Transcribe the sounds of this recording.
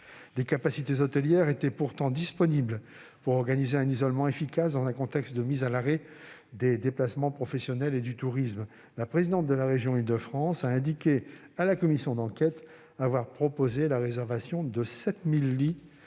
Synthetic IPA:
d̪ekapasit̪ezɔt̪əljɛʁet̪ɛpuʁt̪ɑ̃d̪ispɔnibl | puʁɔʁɡanizeɛ̃nizɔlmɑ̃efikasd̪ɑ̃zɛ̃kɔ̃t̪ɛkst̪̚d̪əmizalaʁɛ | d̪ed̪eplasmɑ̃pχɔfɛsjɔnɛled̪yt̪uʁism | lapχezid̪ɑ̃t̪̚d̪əlaʁeʒjɔ̃ild̪əfχɑ̃saɛ̃d̪ikʲe | alakɔmisjɔ̃d̪ɑ̃kʲɛt̪ | avwaʁpχɔpozelaʁezɛʁvasjɔ̃d̪əsɛt̪milːi

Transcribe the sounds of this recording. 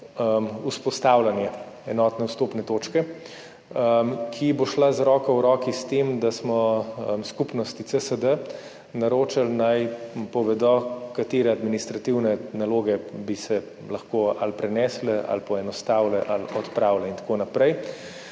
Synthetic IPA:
uspɔst̪awlanjɛ | ɛnɔːt̪nɛwst̪oːpnɛt̪oːt͡ʃkɛ | kʰiboʃlazɾɔːkawɾɔːkist̪emd̪asmɔmskupnɔst̪it̪səsəd̪ə | naɾoːt͡ʃalnajpɔʋɛd̪ɔkat̪eːɾɛad̪minist̪ɾat̪iwnɛnaloːɡɛbisɛ | lɐxkoːa̰lpɾɛnɛslɛa̰lpɔɛnɔst̪aːwlɛʔalɔt̪pɾaːwlɛint̪ḁkonapɾɛj

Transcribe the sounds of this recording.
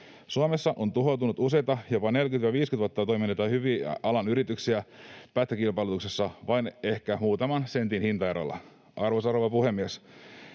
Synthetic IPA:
suomesːɑʔont̪uɦo̞t̪unut̪usejt̪ɑjopɑne̞lkyt̪ʋɑʋiːskyt̪ʋuot̪ːɑt̪o̞jminːet̪ɑhyʋiːɑlɑnyɾit̪yksiæpæt̪ːækilpɑilut̪uksesːɑʋɑine̞hkæmuːt̪ɑmɑnsent̪inhint̪ɑjeɾɑ̰lːɑ̰ | ʔɑrʋosɑroʋɑpuhe̞mːies

